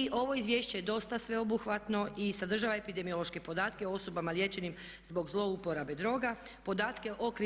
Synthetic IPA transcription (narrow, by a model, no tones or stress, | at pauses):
iʔo̞ʋo̞izʋje̞ːʃt͡ɕejed̪o̞st̪asʋe̞o̞buxʋat̪no̞ʔisad̪r̩ʒaʋaepid̪e̞mio̞lˠoʃke̞po̞d̪aːt̪keoo̞so̞bamalje̞t͡ɕe̞nim | zbo̞ɡzlˠo̞upo̞ɾabe̞d̪ɾo̞ːɡapo̞d̪aːt̪ke̞ʔo̞kɾ